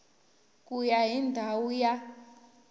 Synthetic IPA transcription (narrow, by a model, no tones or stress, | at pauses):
kujaɦindʱawuja